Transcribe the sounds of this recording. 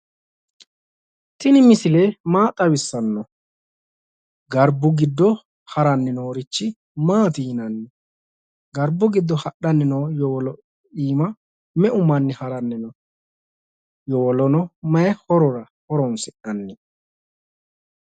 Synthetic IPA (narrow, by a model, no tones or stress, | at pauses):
t̪ɪnɪmɪsɪleːmaːt̪ʼːɐwɪsːɐnːɔ | ɡɐɾbʊɡɪd̪ːɔ | hɐɾɐnːɪnoːɾɪt͡ʃːɪ | maːt̪iːnɐnːɪ | ɡɐɾbːʊɡɪd̪ːɔhɐɗːɐnːɪnoːjɔɔlɔ | iːmɐ | mɛʔʊmɐnːɪhɐɾɐnːɪnɔ | jɔwɔlɔnɔmɐɛhɔɾɔɾɐ | hɔɾɔnsɛʔɐnːɪ